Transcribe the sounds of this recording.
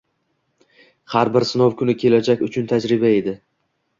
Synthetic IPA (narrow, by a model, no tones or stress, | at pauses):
haɾbɪɾsɪnowkʰʊnɪkʲʰe̞lad͡ʒakʲʊt͡ʃʰʊnt̪ʰad͡ʒɾɪbae̞d̪ɪ